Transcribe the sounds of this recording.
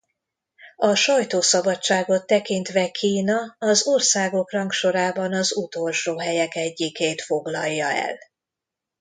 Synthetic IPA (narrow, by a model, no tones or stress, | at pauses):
ɒʃɒjt̪oːsɒbɒt͡ʃt͡ʃːaːɡo̞t̪ːɛkint̪ʋɛkʰiːnɒɒzorsaːɡo̞krɒŋkʃo̞ɾaːbɒnɒzut̪o̞lʃoːɦɛjɛkɛɟːikeːt̪fo̞ɡlɒjːɒɛ̰l